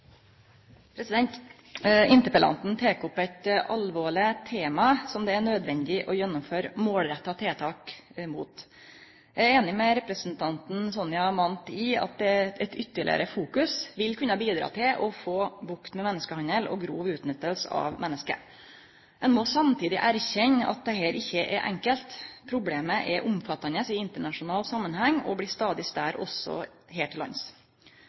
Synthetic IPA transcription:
pʰɾɛsɪd̪ɛnt̪ | ɪnt̪əpəlʔɑ̰nt̪n̩t̪ʰeːkɔpːæɪt̪ʔɑlʋoːɭɪt̪ʰeːmɑsɔmd̪ɛæɳøːd̪ʋɛnd̪ɪʔɔjɛnːʊmføːɾmoːlɾɛt̪ːɑt̪ʰeːt̪ʰɑːkmuːt̪ | jæɾeːnɪmɛɾɛpɾəsn̩t̪ʰɑnt̪n̩sɔnɪjɑmɑnt̪ɪɑ̰t̪̚d̪ɛɛt̪ʏt̪ːəɭɪ̰ə̰ɾəfuːkʉsʋɪlkʰʉnːɑbiːd̪ɾɑ̰ːt̪ʰɪlʔɔfoːbʊkt̪mɛmɛnːəskəhɑnəlɔ̰ɡɾuːʋʉːt̪nɪt̪ːəlsəɑ̰ʋmʔɛnːəskə̰ | ɛnmɔsɑmt̪ʰiːd̪ɪʔæɾçɛɲːɑ̰t̪̚d̪ɛhɛːɾʔɪçːəʔɛɾʔɛ̰ŋkəlt̪pʰɾʊbleːməʔɛʔʊmfɑt̪ːɑnəsɪɪnt̪əɳɑʂʊnɑːlsɑmːənhɛŋːɔ̰bliːst̪ɑːd̪ɪst̪æːɾɔ̰sːɔ̰ | heːʈʰːɪlɑ̰ns

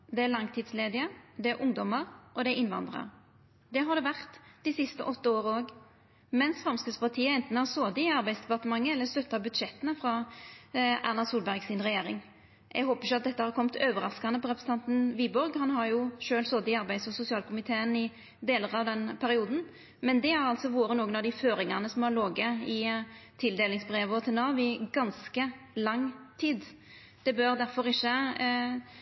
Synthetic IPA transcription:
d̪ɛælɑŋt̪ʰiːd̪sleːd̪ɪəd̪ɛæɾʔʊŋd̪ɔməʁʔɔd̪ɛʔɪnʋɑ̰nd̪ʁɑ̰ʁ | d̪ɛɦɑd̪ɛʋæʁt̪d̪ɪsɪst̪ə̰ʔɔt̪ːəoːʁəoːɡ | mɛnsfʁɑmskəspɑʁt̪ʰiːəɛnt̪n̩æʁsoːd̪ɪɪɑɾbæɪsd̪ɛpɑt̪əmɑŋːəɛlːəst̪œt̪ːɑbʉd̪ʃɛt̪ːənəfɾɑ | ʔæ̰ʁnɑsuːlbæʁɡsɪnʁɛjeːɾɪ̰ŋ | ʔɛ̰ɡɦoːpəɾɪçʊɑt̪̚d̪ɛt̪ːəhɑɾkʰɔmt̪ʰøːʋəɾɑskɑnəpɔʁɛpɾʁsəɑnt̪nʋiːbɔɾɡhɑnɦɑɾjʊʃøːlsɔd̪ɪɑɾbæɪsɔsʊsɪɑːlkʰʊmɪt̪ʰeːənɪ | d̪eːləʁɑʋd̪ɛnpʰæɾɪuːd̪n̩ | mɛnd̪ɛæɾɑlt̪sɔʋoːɾənoːɡənɑʋd̪ɪføːɾɪŋɑnəsɔmhɑloːɡəɪt̪ʰɪld̪eːlɪŋsbʁeːʋɔt̪ʰɛlnɑːʋɪɡɑnskə | lɑŋt̪ʰiːd̪ | d̪̥ɛbøɾd̪æɾfɔɾɪçːə

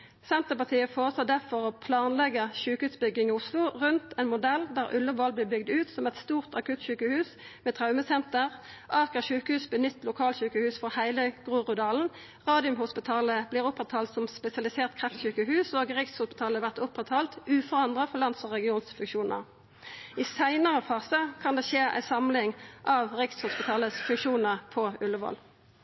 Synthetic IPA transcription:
sɛnt̪əpɑʁt̪ʰiːəfoːʁəsloːd̪æʁfɔʁoːpʰlɑːnlɛɡəʃʉːkəʉːsbʏɡɪŋɪʊslʊʁʉnt̪ʰɛːnmʊd̪ɛld̪æːʁʉ̰ləʋɔlbliːbʏɡd̪ʉːt̪sɔmɛt̪st̪uːʁt̪ɑkʰʉt̪çʉːkəhʉːs | meːt̪ʰʁɑʉməsɛnt̪əʁ | ʔɑʁkəɕʉːkəhʉːsbənʏt̪ːlʊkʰɑːlçʉːkəhʉːsfɔʁhæɪləɡʁuːʁʊd̪ɑːln̩ | ʁɑːd̪ɪʉmhʊspɪt̪ʰɑːləbliːʁʊpʁɛt̪ʰːɑːlt̪sɔmspɛsɪɑlɪseːʁt̪̚kʰʁɛft̪ɕʉːkəɦʉːsoːɡʁɪkshʊspɪ̥t̪ʰɑːləʋæʁt̪ʊpːʁɛt̪ʰɑːlt̪ʉːfɔʁɑnd̪ʁɑfɔlɑnt̪sɔʁɛɡɪuːnsfʉŋʃuːnə̰ʁ | ɪsæɪnəʁəfɑːsəkʰɑnd̪eːʃeːʔæ̰ɪsɑmlɪŋʔɑʋʁɪkshʊspɪt̪ʰɑːləsfʉŋkʃuːnəʁpʰɔʉlːəʋɔ̰l

